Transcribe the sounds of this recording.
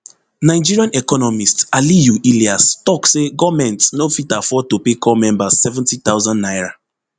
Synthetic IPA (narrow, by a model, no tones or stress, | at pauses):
naɪd͡ʒiɹiãnɛkɔnɔmistalijuʔiliastɔkseɡɔmɛ̃ntnofitafɔtopekʰɔmɛ̃mbasɛvɛ̃ntitawzãnnajɹa